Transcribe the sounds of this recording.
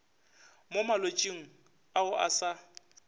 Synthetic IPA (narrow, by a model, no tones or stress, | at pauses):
momalot͡ʃʼiŋ̩ | aʊʔa̰sa